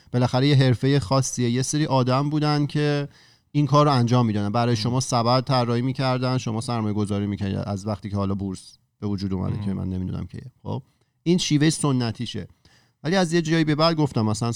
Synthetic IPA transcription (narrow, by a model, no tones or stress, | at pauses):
b̥e̞læxæɾejeɦe̞ɾfe̞jexɒːsːijejeseɾiːʔɒːd̪æmbuːd̪ænd̪cʰe̞ | inkʰɒːɾːoænd͡ʒɒːmːid̪ɒːd̪ænbæɾɒːjeʃo̞mɒːsæbæd̪̚t̪ʰæɾːɒːhiːmiːcʰæɾd̪ænd̪ʃo̞mɒːsæɾmɒːjeɡo̞zɒːɾiːmicʰænḭd̪æzvæχt̪iːcʰehɒːlɒːbuɾs | b̥e̞vod͡ʒuːd̪umæ̰d̪ḛcʰemæ̰nːe̞mid̪ṵnæ̰mcʰḛjxo̰b̚ | inʃiːve̞jesonːæt̪ʰiːʃḛ | væliæzje̞d͡ʒɒːjiːbe̞bæd̪̚ɡo̞ft̪æmːæsælæn